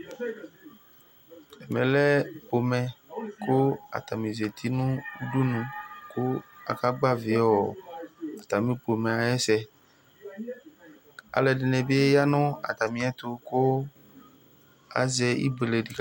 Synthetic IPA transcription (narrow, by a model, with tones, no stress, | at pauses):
ɛ˨mɛ̰̃˨lɛ˦po˨mɛ̃˨ko˦a̰˨t̪a˨mĩ˨ze˨t̪ʰi˦nũ˦u˦ɖu˦nũ˨ko˦a̰˨ka˦ɡ͡ba˦ve˨˦ɔ˨a˨t̪a˨mĩ˦po˨mɛ̃˨a˨jɛ˦sɛ˦ | a̰˨lɛ˨ɖe˨nɛ̃˨be˦ja˦nɔ̃˦a̰˨t̪a˨mĩ˨˦ɛ˦t̪o˨ko˦ | a̰˨zɛ˨ḭ˦be˨le˨ɖi˨k